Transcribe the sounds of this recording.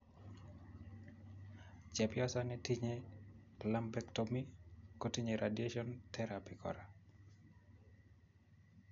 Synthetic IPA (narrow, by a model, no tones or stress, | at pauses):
t͡ʃɛpjɔsanɛtiɲe | lambɛktomikotiɲeɾʔadjeʃɔntʰɛɾapikʰɔ̰ɾa